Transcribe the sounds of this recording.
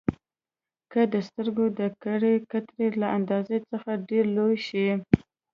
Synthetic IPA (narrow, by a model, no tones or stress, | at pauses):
kəd̪əst̪əɾɡod̪əkaɽekat̪ɾelaʔand̪ɑzet͡səxaɖeɾlojʃi